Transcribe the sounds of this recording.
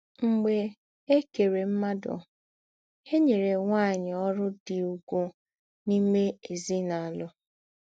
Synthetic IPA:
ŋ͡m̩˨ɡ͡be˨ | e˦ke˨ɾe˨m̩˦ma˦dɔ̰˨ | he˦ɲe˨ɾe˨ŋʷa˦˨ɲɪ˨ɔ˦ɾʊ˦dɪ˨u˨ɡʷu˦ | ni˦me˦e˨zi˦na˨a˨lʊ˦

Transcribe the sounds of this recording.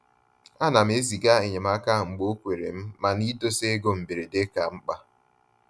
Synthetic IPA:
a˦na˨m̩˦e˦zi˨ɡa˦e˨ɲe˨ma˦ka˦˨ŋ͡m̩˨ɡ͡bo˦kʷe˨ɾḛ˨m̩˦ma˨ni˦to˦se˦ɡo˦m̩˨be˨ɾe˨de˦ka˨ŋ͡m̩˦k͡pa˦

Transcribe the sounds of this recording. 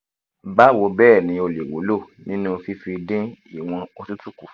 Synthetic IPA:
ba˦˨wo˨˧bɛː˦˨nĩ˨˧˦o˧le˨wo̰˨˦lo˦˨ | nĩ˦nũ˦˧fi˧˦fi˧dĩ˦i˦˨w̃ɔ̃˧o˧tu˦tu˦ku˦˨

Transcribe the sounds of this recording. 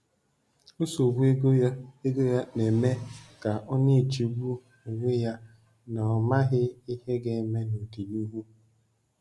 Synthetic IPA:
o˦so˨ɡʷu˦e˦ɡo˦ja˦e˦ɡo˦ja˦ne˨me˦ka˨ʔɔ˦ɲe˦e˨t͡ʃi˨ɡu˦ | e˨ɡe˦ja˦ | nɔ˨ɔ˨ma˦ɦɪ˦i˦he˦ɡe˨me˦no˨di˨nu˦ɦu˦

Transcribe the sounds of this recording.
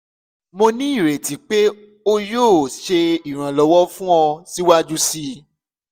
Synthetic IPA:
mõ˧nĩ˦i˦˨ɾe˨ti˨k͡pe˦ | o˦joː˦˨ʃe˧i˨ɾ̃ã˨lɔ˨wɔ˦fũ˦ɔ̃˧si˦wa˦d͡ʒu˦si˧˦

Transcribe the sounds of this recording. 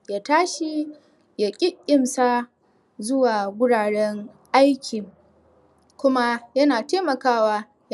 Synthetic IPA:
jaː˨taː˦ʃi˦ | ja˨kʲʼɪ˦kʲʼːɪ˨msaː˦ | zʊ˦waː˨ɡʷʊ˦ɽaː˨ɽɛ˦ŋ | ʔa˦jkʲʰi˨ | kʷʊ˦ma˦jɐ˦naː˨teː˦mɐ˨kaː˦waː˦ | j

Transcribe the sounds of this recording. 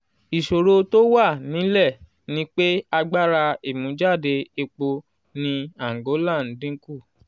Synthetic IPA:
i˨ʃo˨ɾo˧to˦wa˦˨nĩ˨˦lɛ˦˨ | nĩ˦k͡pe˦a˧ɡ͡ba˦˨ɾa˧e˨mũ˨˦d͡ʒa˦˨de˧e˧k͡po˧ | nĩ˧a˨ŋ˨ɡo˨˦lã˦˨n̩˨˦dĩ˦ku˦˨

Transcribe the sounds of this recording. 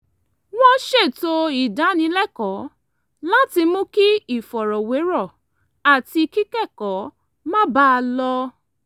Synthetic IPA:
w̃ɔ̃˦ʃe˦˨to˧i˨da˨˦nĩ˨˧˦lɛ˦kɔ˨˦ | la˦ti˧mũ˦ki˦i˦˨fɔ˨ɾɔ˨we˨˦ɾɔ˦˨ | a˨ti˧ki˦kɛ˦˨kɔ˨˦ | mã˦ba˦˧lɔ˧

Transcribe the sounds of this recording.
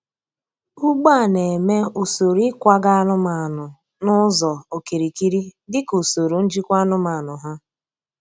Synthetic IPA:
u˦ɡ͡ba˦˨ne˨me˦o˨so˨ɾi˦kʷa˦ɡa˦a˦nʊ˦ma˨nʊ˨ | nʊ˦zɔ˨o˨ki˨ɾi˨ki˦ɾi˦dɪ˦ko˨so˨ɾu˨n̩˦d͡ʒi˦kʷa˦nʊ˦ma˨nʊ˨ɦa˦

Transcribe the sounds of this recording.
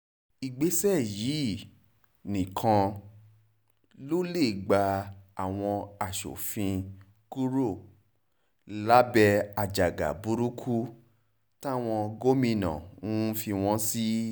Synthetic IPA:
i˨ɡ͡be˨˦sɛ˦˨ji˨˦ | nĩ˨kʰã˧ | lo˦le˦˨ɡ͡ba˧a˨w̃ɔ̃˧a˨ʃo̰˨fĩ˧ | ku˦ɾo˦˨ | la˨˦bɛ˧a˨d͡ʒa˨ɡa̰˨bu˦ɾu˦kʰu˦ | ta˦˨w̃ɔ̃˧ɡo˦mĩ˧nã̰˨n̩˦fi˧w̃ɔ̃˦si˦

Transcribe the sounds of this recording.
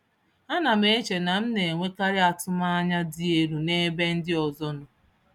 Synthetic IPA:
a˦na˨me˦e˦t͡ʃe˨na˨m̩˦ne˨ŋʷe˦ka˦ɾɪ˦a˨tʊ˦ma˦a˦ɲa˦dɪ˦e˦ɾu˨ne˦be˦n̩˦dɪ˦ɔ˨zɔ˦nʊ˦

